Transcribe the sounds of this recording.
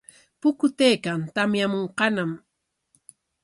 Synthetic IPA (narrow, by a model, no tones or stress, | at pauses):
pʊkʊt̪ejkant̪amjamoɴqɑnam